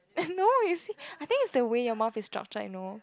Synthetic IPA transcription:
nojusiajθɪ̃ŋkɪtsdəwejɔmaʊfɪstɹ̥a̰k̚t͡ʃə̰j̰no

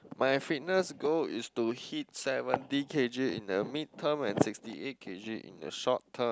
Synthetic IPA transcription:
majfit̚nəsɡoḭstuhit̚sɛvə̃ndikʰed͡ʒisḭ̃ndəmitʰːə̃mɛ̃nsikstiʔet̚kʰed͡ʒisḭ̃ndə̰ʃɔtʰːə̃m

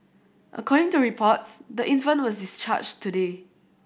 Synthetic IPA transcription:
ʔə̰kʰɔɾɪ̃ŋtuɹipʰɔtsdəʔĩnfə̃nwɔsdist͡ʃa̰t͡ʃtːude

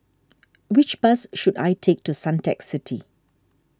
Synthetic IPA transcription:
wɪt͡ʃbasʃuda̰ɪtʰek̚tusãntɛksɪtʰi

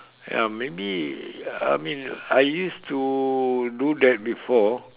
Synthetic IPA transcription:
ja̰mebi | a̰mĩnajjustu | dudɛt̚bifɔ

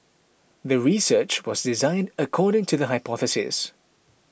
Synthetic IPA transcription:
ðəɹisɜˑt͡ʃwɔzdɪzãɪ̃ndəkʰɔːɾɪ̃ŋtʰuðəɦaɪpʰɔθəsɪ̰s

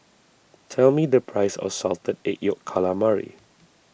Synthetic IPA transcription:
tʰɛlmidəpʰɹajsɔ̰sɔltədeʔjɔkʰalamaɹḭ

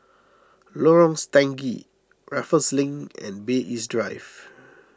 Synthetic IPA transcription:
lɔɹɔ̃ŋstɛ̃ŋɡi | ɹafəslĩŋɛ̰̃nbeʔisdɹajv

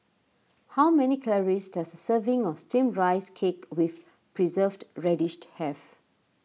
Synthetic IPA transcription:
hawmɛnikʰɛləɹisdasəsəvĩŋɔstĩmɹaɪskʰekwif | pɹizəvdɹɛdiʃthɛf

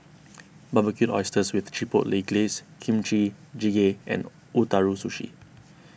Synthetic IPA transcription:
babəkjutɔ̰jstəswiθt͡ʃipo̰ʔleɡleskʰĩmt͡ʃɹid͡ʒiɡeɛ̰̃n | utaɹusuʃḭ

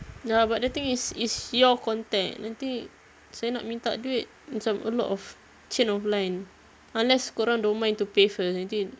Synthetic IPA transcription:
abaʔ̚dət̪ĩŋisisjɔkɔ̃nt̪ɛ̃ŋnat̪ĩŋ | sajnaʔ̚mĩnt̪a̰ʔduɪt̚mit͡ʃãmə̰lɔ̰ʔɔf | t͡ʃĩnɔflãjn | ãnlɛskɔɾãndomãnt̪upefəsnãt̪i

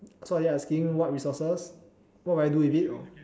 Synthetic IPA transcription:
sɔdɛɛskĩmwɔt̚ɹisɔsəs | wɔt̚wajduifitɔ̰

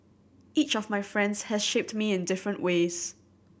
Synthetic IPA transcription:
it͡ʃɔvmaɪfɹɛ̃ndz̥hɛz̥ʃep̚tmiɪ̃ndɪfɹə̃nʔweːz̥

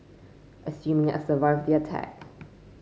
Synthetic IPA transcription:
ʔəsjʉ̃mɪ̃ŋə̰səvaɪvðiətʰæ̰k

